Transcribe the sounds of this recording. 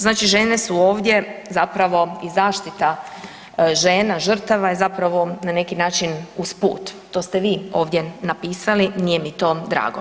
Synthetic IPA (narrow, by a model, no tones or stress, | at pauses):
znaːt͡ʃiʒe̞ːnesuo̞ːʋd̪je̞zapɾaʋo̞izaːʃt̪it̪a | ʒe̞ːnaʒr̩t̪aʋajezapɾaʋo̞nane̞kinaːt͡ʃinuspṵːt̪t̪ːo̞ːst̪eʋiːo̞ːʋd̪jenapiːsaliniːje̞mit̪o̞ːd̪ɾa̰ːɡo